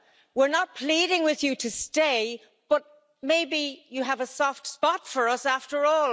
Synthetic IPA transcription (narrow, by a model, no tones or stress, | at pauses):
wɪɹnət̚pʰl̥iɾɪ̃ŋwɪðjɨɾɨsteɪ | b̥ʌt̚ | meɪbijɨəvəsɔftspɑtfə˞ʌsæftə˞ɔl